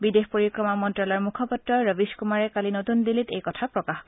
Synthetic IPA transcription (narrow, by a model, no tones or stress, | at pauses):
bidexpoɹikɹɔmamɔntɹalɔɹmukʰɔpɔtɹɔɹɔbiskumaɹɛkalinotundilitḛjkɔtʰapɹɔkax